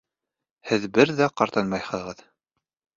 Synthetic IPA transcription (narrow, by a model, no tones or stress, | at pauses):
hɘðbɘɾðæqɑɾt̪ɑnmɑjhɤ̆ʁɤð